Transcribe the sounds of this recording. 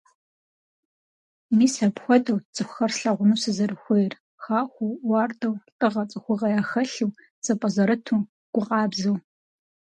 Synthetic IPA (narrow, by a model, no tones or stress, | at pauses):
miːsɐpxʷɔdɐwt͡sʼɨxʷxɐrsɬɐʁʷʊnuːsɨzɐrɨxʷejr | xaːxʷʊwɑːrdɐwtʼɨʁɐt͡sʼɨxʷʊʁɐjaːxɐɬɨw | t͡sʼɐpʼɐzɐɾɨtʰuː | ɡ̥ʷʊqɑːbzɐw